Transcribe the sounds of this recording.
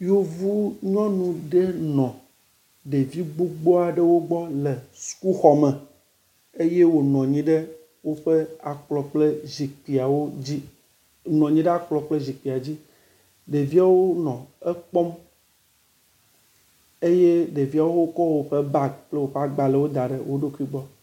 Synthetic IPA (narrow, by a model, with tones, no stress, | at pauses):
jo˦vu˦ɲɔ̃˦nũ˨ɖe˦nɔ̃˨ | ɖe˨vi˦ɡ͡bo˦ɡ͡bɔ˦a˨ɖe˦wo˦ɡ͡bɔ˦le˨su̥˨ku˦xɔ˨mɛ̃˨ | e˦je˦wo˨nɔ̃˨ɲĩ˨ɖe˦ | wo˦ɸe˦a˨k͡plɔ˨k͡ple˦zi˨k͡pi˨a˨wo˦d͡ʑi˦ | nɔ̃˨ɲĩ˦ɖe˦a˨k͡plɔ˨k͡ple˦zi˨k͡pi˨a˨d͡ʑi˦ | ɖe˨vi˦a˨wo˦nɔ̃˨e˦k͡pɔ˦m | e˦je˦ɖe˨vi˦a˨wo˦wo˦kɔ˦wo˨ɸe˦ba˦ɡ̚k͡ple˦wo˨ɸa˨ɡ͡ba˨le˨wo˦d̪a˨ɖḛ˨wo˦ɖo˦ku˦i˦ɡ͡bɔ˦